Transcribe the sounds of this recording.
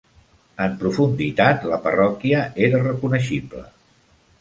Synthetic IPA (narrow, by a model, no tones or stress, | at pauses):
əmpɾufund̪it̪at̪ləpərɔkiəeɾərəkunəʃiblə̰